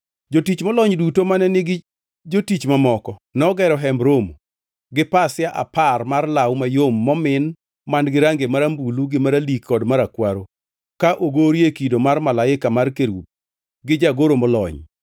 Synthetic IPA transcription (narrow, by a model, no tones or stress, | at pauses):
d͡ʒotit͡ʃmɔlɔɲdutomanɛnɪɡɪ | d͡ʒotit͡ʃmamɔkɔnɔɡɛɾɔɦɛmbɾomo | ɡɪpasɪjaʔa̰parmarlawmajomːɔmɪn | manɡɪɾaŋɡemaɾambuluɡɪmaɾalikːɔdmaɾakwaɾo | kaʔoɡoɾjekidomarmalaɪkamarkeɾup̚ | ɡɪd͡ʒaɡoɾomɔlɔ̰ɲ